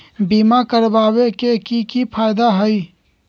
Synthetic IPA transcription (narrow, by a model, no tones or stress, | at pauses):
biːmakəɾbaːwekekikipʰaːɪd̪aɦəi